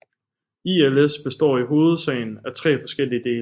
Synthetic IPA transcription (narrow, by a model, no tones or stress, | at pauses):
ielesb̥e̝sd̥ɒ̰ːiɦo̝ːð̞̩ˠsɛ̰ɪn̩æt͡sʰʁɛ̰ːfɒ̽sɡ̥el̰iəd̥e̝ːl